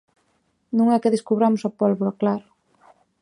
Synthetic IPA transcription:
nuŋɛkeðiskuβɾamusapɔlβuɾoklaɾ

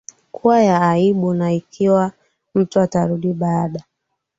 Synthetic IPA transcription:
kʰuajaːiɓunaikʰiwa | m̩tuataɾuɗiɓaːɗa

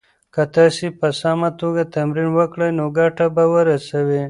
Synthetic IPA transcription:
kat̪ɑsipəsɑmat̪oɡat̪amɾinwəkɽəjnoɡaʈabawəɾasawe

